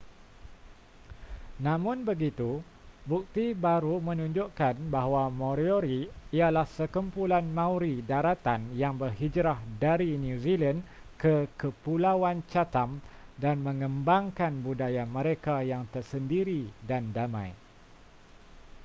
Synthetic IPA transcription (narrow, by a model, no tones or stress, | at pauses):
nãmʊ̃nbəɡit̪u | buk̚t̪ibaɾumə̃nũɲd͡ʒʊʔkanbaɦwamõɾioɾiialahsəkəmpulanmãwɾidaɾat̪anjaŋbərhid͡ʒɾahdaɾinjũzilankəkəpulawant͡ʃat̪amdanmə̃ŋə̃mbaŋkanbudajamə̃ɾekajaŋt̪ərsəndiɾidandamã̰j